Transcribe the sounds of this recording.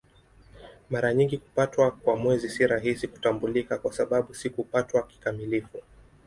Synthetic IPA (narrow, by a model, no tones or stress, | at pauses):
maɾaɲiŋɡiku̥patwakwamwɛzisiɾaɦisiku̥tambulikakwasaɓaɓusikupatwaki̥kamilifu